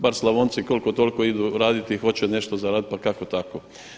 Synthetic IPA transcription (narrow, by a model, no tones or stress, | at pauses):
baɾslˠaʋoːnt̪sikolko̞t̪o̞lkoid̪uɾaːd̪it̪ixo̞t͡ɕene̞ʃt̪ozaɾaːd̪it̪̚pakako̞t̪ako